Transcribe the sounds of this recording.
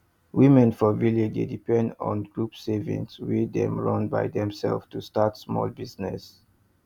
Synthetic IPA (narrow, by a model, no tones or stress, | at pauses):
wimɛ̃nfɔviledḛdipɛ̃ndɔ̰̃nɡɹupsɛvḭ̃nswidɛ̰̃mɹʌ̃nba̰ɪdɛ̃msɛ̰lftustatsmɔ̰lbiznɛs